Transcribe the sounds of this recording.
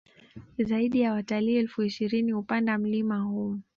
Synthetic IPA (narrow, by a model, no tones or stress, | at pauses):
zaiɗijawataliɛlfuiʃiɾinihupandam̩limahu